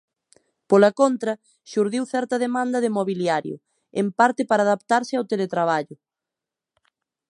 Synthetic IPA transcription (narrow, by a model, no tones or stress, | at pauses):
polɐkont̪ɾɐ | ʃuɾðiwθɛɾt̪ɐðemãnd̪ɐðɪmoβiljaɾjʊ̰ | empaɾt̪ɪpaɾaːðapt̪aɾsɪawt̪elet̪ɾaβ̞aʎʊ